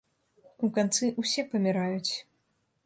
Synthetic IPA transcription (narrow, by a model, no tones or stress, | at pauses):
ukant̪sɨʔusʲɛpɐmʲiɾajut͡sʲ